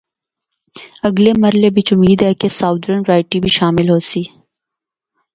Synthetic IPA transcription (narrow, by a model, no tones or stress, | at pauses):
ɐɡlemɐɾlebʱɪt͡ʃʊmiːd̪ɦɛkesaːʊd̪ɾənɾaːɪʈibʱiʃaːmɪlɦoːsiː